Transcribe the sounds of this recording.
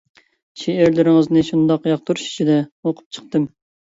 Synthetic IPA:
ʃeɪɾlɪɾɪŋəznɨʃund̪ɑqjɑq̚t̪uɾuʃi̥t͡ʃʰid̪ɛoqʰʊ̥p̚t͡ʃʰə̥q̚t̪ɨm

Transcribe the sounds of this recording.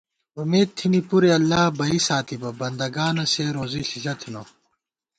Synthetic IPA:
umeːd̪̚t̪ʰinipuɾeɐlːaːbɐisaːt̪ʰibɐbɐnd̪ɐɡaːnɐseːɾoːziɬiɕɐt̪ʰino

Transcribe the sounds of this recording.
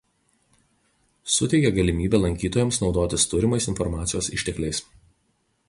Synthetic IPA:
sʊt̪ʲɛɪkʲɛɡɐlʲɪmʲiːbʲeːlˠɐŋʲkʲiːt̪oːjɛmsnɒʊd̪oːt̪ʲɪst̪ʊɾʲɪmɐɪsɪnfɔɾmɑːt̪sʲɪjoːsɪ̰ʃʲt̪ʲɛklʲɛɪs

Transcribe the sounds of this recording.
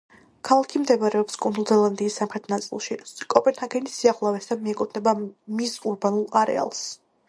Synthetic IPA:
kʰalˠakʰimd̪ɛvaɾɛɔpskʼund̪ulˠzɛlˠand̪iːsːamχɾɛt̪ʰnat̪sʼḭlˠʃikʼɔpʼɛnhaɡɛnisiaʁlˠavɛsd̪amiɛkʼut̪ʰnɛbamisuɾbanulˠaɾɛ̰a̰lˠs

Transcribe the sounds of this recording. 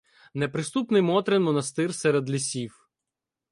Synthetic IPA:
nepɾɪst̪upnɪjmɔt̪ɾɛnmɔnɐst̪ɪrsɛɾed̪lʲisʲiw

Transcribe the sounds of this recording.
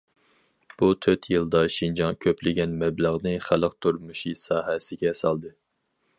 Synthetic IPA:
b̥ut̪ʰøt̪ʰjɨlˠd̪ɑʃind͡ʒɑŋkʲʰøplɪɡʲɛnmɛbləʁnɨχælˠəq̚t̪ʰuɾmuʃisɑːɦɛsɪɡʲɛsɑlˠd̪ɨ

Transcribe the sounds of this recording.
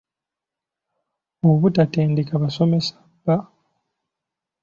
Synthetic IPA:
oβutate̞ːndekaβaso̞me̞sḁba

